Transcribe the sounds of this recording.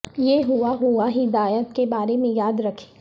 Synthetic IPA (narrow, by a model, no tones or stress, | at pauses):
jeɦuaɦuaɦid̪aːjət̪̚kebaːɾemẽjaːd̪ɾɐkʰe̥ː